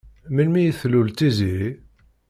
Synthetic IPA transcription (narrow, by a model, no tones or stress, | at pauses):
milmijəθlult͡s̪ːizii